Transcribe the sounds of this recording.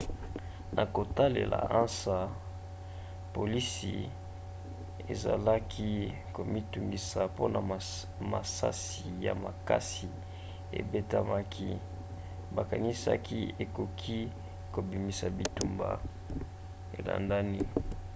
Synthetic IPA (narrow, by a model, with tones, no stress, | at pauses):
nʔa˨ko˨ta˦lḛ˨la̰˨ʔã˦nsa˦ | po˨li˦sḭ˨ | e˨za˨la˦kʰi˦ | ko˨mi˦tu˨ŋɡi˨sa˨po˦na˨ | ma˨sa̰˦si˨ja̰˨ma˨ka˦si˨ | ḛ˨be˦ta˦ma˦kʰi˦ | ba˨ka˨ni˦sa̰˦ki˦e˨ko˨kʰi˦ | ko˨bi˨mi˨sa˨bi˨tu˨mba̰˨ | e˨la̰˨nda˦ni˦